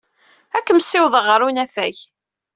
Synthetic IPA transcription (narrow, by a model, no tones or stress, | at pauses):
ækːəmsɪwðˤəʁəɾunæfæç